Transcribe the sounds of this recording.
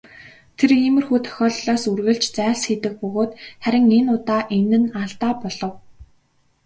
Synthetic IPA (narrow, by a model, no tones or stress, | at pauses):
t̪ʰeriːmɘ̆rxuːt̪ʰœ̥xʲɔːɮɮɔːsurɣɘ̆ɮt͡ɕt͡sæːɮsxiːt̪ɘ̆k̚pɵɣoːt̪χæɾʲɪ̆ŋenʊt̪aːʔenɘ̆naɮt̪aːpɔɮɞ̆w